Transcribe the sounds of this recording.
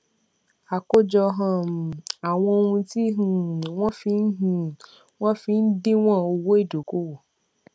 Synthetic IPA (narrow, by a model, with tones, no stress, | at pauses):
a˨ko˦d͡ʒɔ˧ɦã˦˨m˨a˨w̃ɔ̃˧o˧ŋũ˧ti˦ɦũ˨w̃ɔ̃˦fi˧˦n̩˦ɦũ˦˨ | wɔ̃˦fi˧n̩˦de˦w̃ɔ̃˦˨o˧wo˦e˦˨do˨ko˦wo˨